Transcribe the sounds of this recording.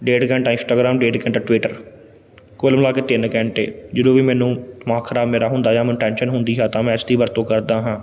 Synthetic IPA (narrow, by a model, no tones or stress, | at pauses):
ɖeːɖkɛ̃ːɳʈaːɪnsʈaːɡɾaːmɖeːɖkɛ̃ːɳʈaʈʋiːʈəɾ | kʊlmlaːkeːt̪ɪnkɛ̃ːɳʈeːd͡ʒəd̪oːʋiːmɛːnũːmãːkʰəɾaːbmeːɾaːɦʊ̃nd̪aːjaːmɛ̃ːʈɛ̃ːnʃənɦʊnd̪iːɦɛːt̪ãːmɛ̃ːɪsd̪iːʋəɾt̪õːkəɾd̪aːɦãː